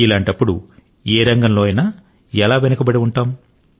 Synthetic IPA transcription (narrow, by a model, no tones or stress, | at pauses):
ilaːɳʈɐpːuɽṵ | eːɾɐŋɡɐmlo̞ːɐjnaː | ɛlaːʋenɐkɐbɐɽiuɳʈaːm